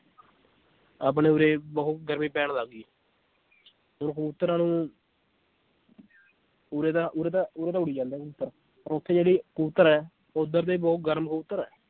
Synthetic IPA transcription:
aːp̬neːuːɾeːbəɦʊt̪ɡəɾmĩːpɛːɳd̪aːɡiː | ʊnːkəbut̪ːəɾãːnũː | uɾeːt̪aːʔuːɾeːt̪aːʊːɾeːt̪ãːʊɽiːd͡ʒãːnd̪eɛːkəuːt̪ːəɾ | pəɾot̪ʰːeːd͡ʒeːɽiːkuːt̪ːəɾɛː | ʊd̪əɾt̪eːbɔːʊt̪̚ɡəɾmkəbut̪ːəɾɛː

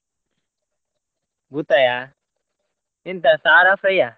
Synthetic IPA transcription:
but̪aja | ɪnt̪asaːɾafeja

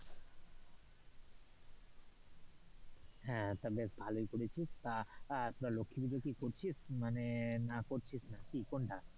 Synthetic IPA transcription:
ɦɛ̃t̪abesbʱalojkoɾet͡ɕʰist̪at̪oɾalokʰːibid̪kikoɾt͡ɕʰismanenakoɾt͡ɕʰisnakikoɳʈa

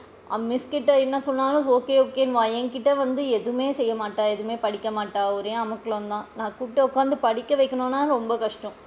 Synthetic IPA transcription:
a̰ːmɪskɪʈːɐɛnːɐsɔnːaːlʊ̃oːkeːoːkːeːnʋaːjɐŋkɪʈːɐʋɐnd̪ɯɛðɯmeːsɛjːɐmaːʈːaːɛðɯmeːpɐɽɪkːɐmaːʈːaːɔɾeːɐmɐkːɐɭɐnd̪ãːnãːkuːʈːɐɔkːaːnd̪ɯpɐɽɪkːɐʋɐɪkːɐɳõːnːaːɾɔmbɐkɐʂʈɔ̃

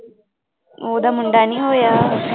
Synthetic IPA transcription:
oːd̪ɐmuɳɖaːniɦoːja

